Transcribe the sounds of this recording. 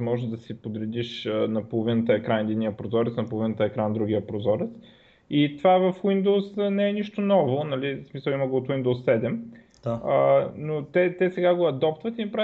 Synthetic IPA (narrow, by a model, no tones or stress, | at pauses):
mɔʒnod̪ɐsipod̪ɾɛd̪iʃənɐpolˠovinət̪əɛkɾand̪inijəpɾozɔɾɛt̪snɐpolˠovinət̪əɛkɾand̪ɾuɡʲiəpɾozɔɾɛt̪s | it̪ovavɐfwind̪osnɛɛniʃt̪onɔvonɐlismisəlˠiməɡoot̪wind̪osːɛd̪ɛm̥ | ənot̪ɛt̪ɛsɛɡaɡoɐd̪ɔpt̪vɐt̪inɐpɾa